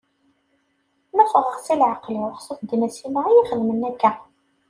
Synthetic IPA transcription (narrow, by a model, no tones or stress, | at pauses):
næfəʁəʁsilʕaqliwəχsˤəθd̪imæsimæjiχəðmənːækːæ